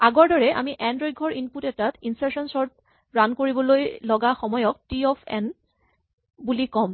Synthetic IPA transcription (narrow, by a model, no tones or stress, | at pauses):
aɡɔɹdɔɹɛʔa̰miʔɛndɹoj̚ɡʱɔɹʔinputɛtatinsaɹsɔnsɔɹt̚ | ɹankoɹibɔlojlɔɡaxɔmɔjɔk̚tiɔpʰɛ̰n | bulikɔm